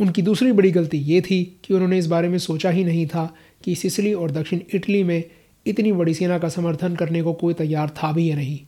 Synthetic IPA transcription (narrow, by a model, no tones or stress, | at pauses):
ʊnkid̪uːsɾibɐɽiɡɐlt̪ijet̪ʰikiʊnɦõːneɪs̬baːɾemẽsoːt͡ʃaɦinɐɦĩt̪ʰa | kisɪsɪliɔːɾd̪ɐkʃɪɽ̃ɪʈlimẽ | ɪt̪nibɐɽiseːnakasɐməɾt̪ʰənkɐɾnekokoːit̪ɐjːaːɾt̪ʰabʱiɦanɐɦĩː